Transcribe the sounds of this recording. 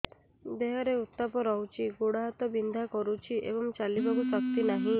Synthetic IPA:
d̪eɦɔɾeut̪ːapɔɾɔwt͡ʃʰiɡoɽaɦat̪ɔbind̪ʱakɔɾut͡ʃʰiʔḛbɔŋt͡ʃalibakusɔk̚t̪inaɦĩ

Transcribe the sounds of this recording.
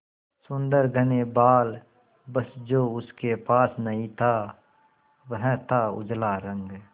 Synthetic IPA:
sʊ̃nd̪əɾɡʱənebaːl | bəsd͡ʒoːʊskepaːsnəɦĩt̪ʰa | wəɦɛ̃t̪aʊ̰d͡ʒlaɾə̃ŋɡ

